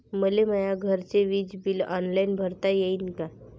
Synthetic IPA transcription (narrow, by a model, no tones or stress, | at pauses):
məleməjaɡʱəɾt͡seʋid͡zbilɔnlainbʱəɾt̪ajeinka